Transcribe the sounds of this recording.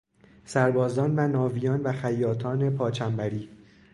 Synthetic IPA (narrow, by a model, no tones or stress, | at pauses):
sæɾbɒːzɒːnvænɒːvijɒːnvæxæjːɒːt̪ʰɒːne̞pʰɒːt͡ʃʰæmbæɾiː